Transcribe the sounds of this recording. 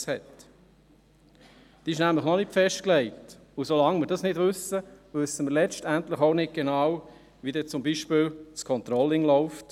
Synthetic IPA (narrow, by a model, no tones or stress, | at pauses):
shɛt | d̥iɪʃnæmləχnɔnɪtfɛʃt̚klɛɪt | ʊsolɑŋmɪɾdɑsnɪdʋɵsəʋʏsːəmɪɾlɛt͡ʃtæntləχoʊnɪt̚ɡ̥enɑːw | ʋidɛt͡sʊmbiːʃpɪːlt͡skʰɔnt̪ɾɔlɪŋlɔʊft